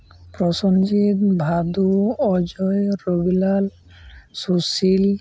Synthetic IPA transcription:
pɾɔsɔnd͡ʒit̪bʱad̪uɔd͡ʒɔjɾobilal | susil

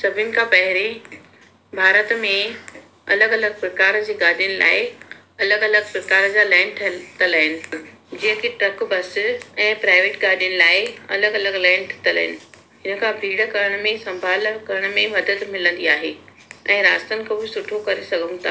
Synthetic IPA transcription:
sɐbʱɪnɪ̆kʰãːpɐɦɪɾe | bʱaːɾət̪mẽ | ɐ̰ləɡɐləɡ̚pɾɐkaːɾd͡ʑiːɡaːd̪ʱijənɪ̆la̰ːɪ | ɐləɡɐləɡpɾɐkaːɾd͡ʑaːlɛ̃ːɳɖʈʰt̪ələɦɪnɪ̆ | d͡ʑiɦə̃kʰeʈɾɐkbɐsɛ̃ːpɾaːɪʋeːʈɡaːdjənɪ̆laːɪɐ̰ləɡɐləɡlɛ̃ːɳɖʈʰt̪ɐlə̰ɦɪ̰nɪ̆ | ɦɪnə̆kʰãːbʱiːɽəkɐɾəɽ̃mẽsɐ̃mbʱaːlkɐɾəɽ̃mẽmɐd̪ət̪mɪlə̃nd̪iaːɦeː | ɛ̃ːɾaːst̪ənɪ̆kʰɐbusʊʈʰokɐɾesɐɡʱʊ̃̆t̪ʰa̰ː

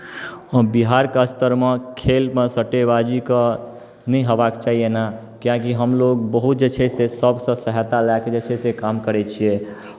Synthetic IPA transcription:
biɦaɾkəst̪əɾmekʰelmesəʈebad͡ʒikə | nɛjɦəbakt͡ʃaɦiena | kiãkiɦəmloɡbəɦut̪̚d͡ʒet͡ʃʰɛsesəbsə̃səɦət̪alaɛked͡ʒet͡ʃʰɛsekamkəɾɛt͡ʃʰie

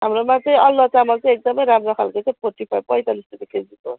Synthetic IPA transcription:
ɦamɾomãt͡s̪ʌ̃ʌlːʌt͡samʌlt͡sʌj̃ek̚d̪ʌmʌjɾamrokʰalkot͡saj̃pʰoʈipʰabpʌjt̪alist̪ʰit̪iked͡ziko

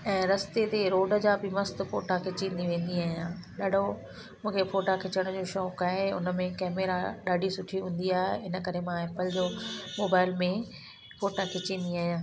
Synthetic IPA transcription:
ɛ̃ːɾɐst̪et̪eɾoːɖəd͡ʑaːbɪmɐst̪fo̰ːʈakʰet͡ɕĩːnd̪iʋẽːn̆d̪iaːɦijãːɗaːɖʱo | mũːkʰefoːʈakʰɪt͡ɕəɽ̃d͡ʑoːʃoːkaːɦeʊ̰nəmẽkɛːmeːɾaɗaːɖʱisʊʈʰiɦũːn̆d̪iaːɦeɪnə̆kɐɾemãɛːpəld͡ʑoːmoːbaːɪlmẽ | foːʈakʰet͡ɕĩːnd̪iaːɦijãː

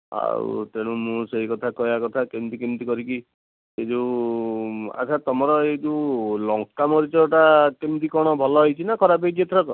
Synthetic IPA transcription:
a̰ṵt̪eɽ̃ũmũseɦikɔt̪ʰakɔjakɔt̪ʰakemt̪ikimt̪ikɔɾiki | ed͡ʒu | a̰t̪ʰat̪ɔmɔɾɔedulɔŋkːamɔɾit͡ʃɔʈakemt̪ikɔɽ̃ɔbʱɔlɔɦojt͡ʃʰinakʰɔɾap̬ejd͡ʒet̪ʰɾɔkɔ

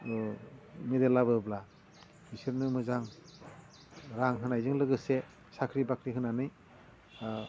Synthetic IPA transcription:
midelːabɯbla | bisiɾnɯmɯzaŋ | ɾaŋɦɯnajzɯŋlɯɡɯse | sakʰɾibakʰɾiɦɯnanɯj

